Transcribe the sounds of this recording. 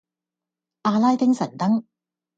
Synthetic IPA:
ʔaː˧laː˥jt̪ɪ˥ŋsɐ˨˩nt̪ɐ˥ŋ

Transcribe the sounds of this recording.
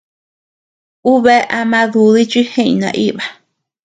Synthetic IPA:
u˦βe˦ʔa˧mã˧ðu˧ði˦t͡ʃi˦hẽ˦ḭ̃˨nã̰˧˨ʔi˦βa˨

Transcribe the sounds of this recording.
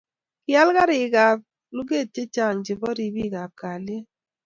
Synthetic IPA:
kɪ˦a˦lka˦ɾɪ˨ɡa˨b̚ | lu˦ɡe˦˨te˦t͡ʃa˦˨ŋd͡ʒɪ˨bɔ˦ɾi˦bi˦˨ɡa˨p̚ka˨le˦

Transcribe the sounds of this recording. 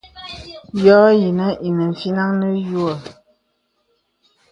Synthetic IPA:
jɔ˦ji˨nə˦ʔi˨nə˨ɱ̩˨fi˦na˦ŋnə˦ju˦ə˦˨

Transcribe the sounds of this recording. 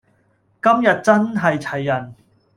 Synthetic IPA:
kɐ˥mjɐ˨t̚t͡sɐ˥nɦɐ˨jt͡sʰɐ˨˩jːɐ˨˩n

